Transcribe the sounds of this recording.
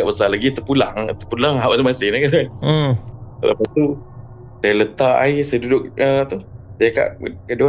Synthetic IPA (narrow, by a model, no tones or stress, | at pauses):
aʔbəsalaɡit̪əpula̰ŋt̪əpulaŋɦawat̪umasɪnakat̪a | lə̰pat̪u | sajalət̪aʔa̰isadudʊk̚ət̪usjaka̰ʔkəʔdua